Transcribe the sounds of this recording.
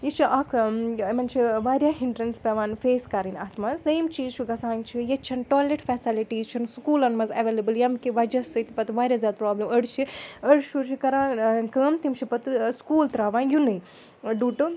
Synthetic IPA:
jit͡ʃʰiʔɐkʰmɐnt͡ʃʰiʋaːɾʲjaːɦiɳɖɾɐnspɛʋaːnfeːskaɾinʲɐt̪ʰmɐnzd̪ɐːmt͡ʃʰit͡ʃʰuɡɐsaːnt͡ʃʰijɐt͡ʃʰɐnʈoːleʈfɛːsiliʈiːzt͡ʃʰɐnskuːlɐnmɐzɐʋeːlɐbɨljɐmkiʋɐd͡ʒɐsɨt̪ipɐt̪ʋaːɾʲjaːzʲaːd̪̚pɾoːblimɐɽt͡ʃʰiɐɽʃut͡ʃʰikɐɾaːnkəːmt̪imt͡ʃʰipɐt̪ɨskuːlt̪ɾaːʋaːnjunɨj | ɖuːʈɨ

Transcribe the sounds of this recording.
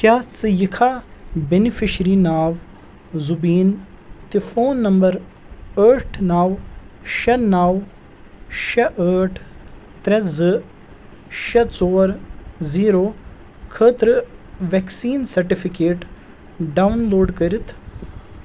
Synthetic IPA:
kʲjaːt͡sɨjikʰaːbenifiʃɾinaːʋ | zubiːn | t̪ifoːnːɐmbɐɾ | əːʈʰnaːwʃɐnaːw | ʃɐʔəːʈʰ | t̪ɾɐzɨ | ʃɐt͡soːɾziːɾoː | kʰəːt̪ɾɨʋeksiːnsɐɾʈifikeːʈ | ɖaːwnloːɖkɐɾit̪ʰ

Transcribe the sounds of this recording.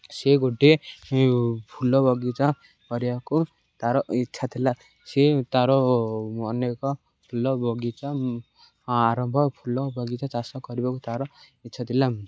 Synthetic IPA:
seɡuɖe | pʰulɔbɔɡit͡sã | kɔɾibaku | t̪aɾɔitːt͡ʃʰat̪ʰila | set̪aɾɔɔnekɔ | pʰulːɔbʱɔɡit͡sã | aɾɔmbʱɔpʰulɔbʌɡit͡sat͡sasɔkɔɾibakut̪aɾɔitːt͡ʃʰat̪ʰila

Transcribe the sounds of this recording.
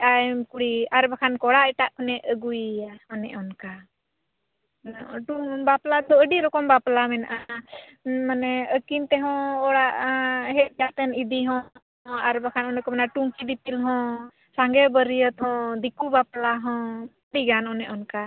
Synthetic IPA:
ʔamkuɽiaɾbakʰankɔɽaɛʈaʔkɔnɛʔəɡujaɔnɛ̰ʔɔnka | ʈubaplad̪ɔəɖiɾɔkɔmbaplamɛnaʔa | manɛəkint̪ɛɦɔ̃ɔɽaʔɦɛt̪̚jat̪ɛnid̪iɦɔ̃ | aɾbakʰanɔnɛkɔmɛnaʈuŋkid̪ipilɦɔ̃ | saŋɡɛbəɾijət̪hɔ̃d̪ikubaplaɦɔ̃ | ɖiɡanɔnɛʔɔnka

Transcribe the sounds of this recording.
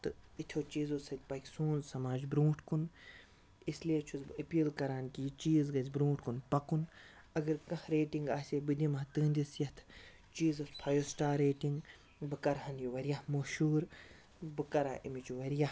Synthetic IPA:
t̪ɨit̪ʰoːt͡ʃiːzosɐt̪ʲpɐkʲsũːnzsɐmaːd͡ʒbɾũːʈʰkun | isliet͡ʃʰuzɐpʲiːlkɐɾaːnkʲit͡ʃiːzɡɐzʲbɾũːʈʰkunpɐkun | ɐɡɐɾkɐ̃hɾeːʈiŋɡaːsʲebɨd̪ʲimɐt̪ɨːnd̪isjɐt̪ʰ | t͡ʃiːzɐt̪pʰɐjoːsʈaːɾeːʈiŋɡ | bɨkɐɾɦɐnjuʋɐɾjahmoʃuːɾ | bɨkɐɾaʔimit͡ʃuʋɐɾja

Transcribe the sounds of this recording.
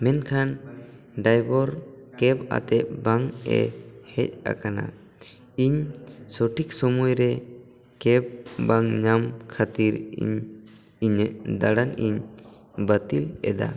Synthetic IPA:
mɛnkʰan | ɖajbɔɾkɛba̰t̪ɛʔ̪̚baŋɛ̰hɛc̚a̰kana̰ | iɲsɔʈʰik̚sɔmujɾɛ | kɛb̚baŋɲamkʰat̪iɾḭɲ | iɲɛʔd̪aɽaniɲ | bət̪ilɛ̰d̪a̰

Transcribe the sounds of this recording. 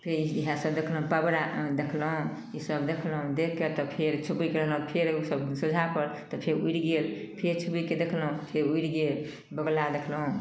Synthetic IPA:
pʰeiiɦãsəbd̪ekʰləɦũpabɾad̪ekʰlɦũ | isəbd̪ekʰlɦũd̪ekʰkːet̪ɔpʰeɾt͡ʃʰubikeɾəɦlɦũpʰeɾusəbsud͡ʒʱapəɾt̪ɔpʰeɾuiɾɡelpʰeɾt͡ʃʰubiked̪ekʰlɦũpʰeɾuiɾɡel | bəɡlad̪ekʰlɦũ

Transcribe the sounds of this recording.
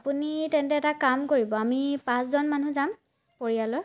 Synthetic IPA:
apunitɛntɛɛtakamkoɹibɔamipãszɔnmanuzam | poɹijalɔɹ

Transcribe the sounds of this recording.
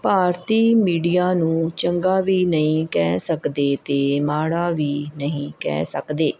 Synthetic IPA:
paːɾt̪iːmiːɖijaːnũːt͡ʃəŋɡaːʋiːnəɦĩːkɛːsəkd̪eːt̪eːmaːɽaːʋiːnəɦĩːkɛ̰ːsə̰kd̪eː

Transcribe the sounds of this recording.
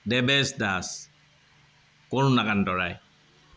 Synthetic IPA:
dɛbɛsdas | koɹnakandɔɹaj

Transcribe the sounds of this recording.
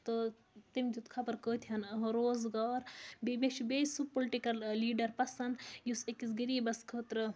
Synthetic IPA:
t̪o | t̪imd͡ʒut̪kʰapɐɾkəːt̪ʰʲɐnɐɦɾoːzɡaːɾbemeʃbeːsupoliʈikɐlːiːɖɐɾpɐsɐnd̪jusekʲisɡiɾiːbɐskʰəːt̪ɾɨ

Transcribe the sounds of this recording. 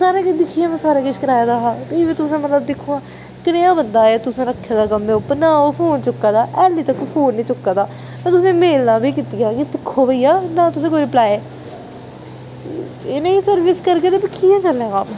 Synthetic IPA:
saːɾẽːkɪd̪ɪkʰːiːãːmɛ̃ːsaːɾeːkɪʃkəɾaːjaːd̪aːɦaːt̪iʋiːt̪ʊsẽːmət̪ləbd̪ɪkʰːoːãː | kɪnẽːãːbənd̪aːjaːt̪ʊsẽːɾəkʰːaːd̪aːɡəmẽːʊpːənãːoːpʰoːnt͡ʃʊkːaːd̪aːʔɛːlĩːt̪əkːpʰoːnːĩːt͡ʃʊkːaːd̪aː | mɛ̃ːt̪ʊs̬ẽːmeːlnaːbiːkit̪ijaːkɪd̪ɪkʰːoːʋeiːaːnãːt̪ʊs̬ẽːkoːiɪpəlaːeː | ɪneːiːsəɾʋɪskəɾkeːt̪eːpɪkʰːiːãːt͡ʃəlːẽːkaːm

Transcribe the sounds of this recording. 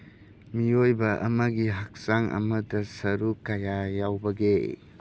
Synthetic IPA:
miojbɐʔɐ̰mɐɡiɦak̚saŋʔɐ̰mɐdɐsɐɾukajajawbɐɡe

